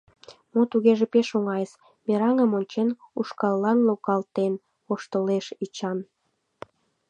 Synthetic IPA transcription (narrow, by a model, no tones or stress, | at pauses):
mot̪uɣeʒepeʃoŋɑjəs | meɾɑŋəmonʲt͡ɕenuʃkɑlːɑnlokɑlt̪en | oʃt̪əleʃit͡ɕɑn